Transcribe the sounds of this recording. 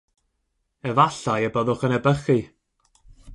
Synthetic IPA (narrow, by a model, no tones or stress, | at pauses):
əvaɬajəbəðʊχənɛbəχi